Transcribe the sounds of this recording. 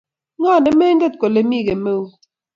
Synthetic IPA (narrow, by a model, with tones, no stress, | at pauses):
ŋa˦˨ne˨me˦n̩˦de˦t̚ko˨le˦mi˦˨ɣe˨me˦˨u˦